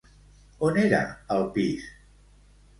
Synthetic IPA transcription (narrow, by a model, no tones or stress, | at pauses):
oneɾa̰əlˠpiʃ